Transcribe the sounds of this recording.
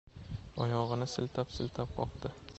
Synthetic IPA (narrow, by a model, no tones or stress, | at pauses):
ɒjɒʁɨnɪsɪlt̪ʰapsɪlt̪ʰap̚qʰɒ̰pd̪ɪ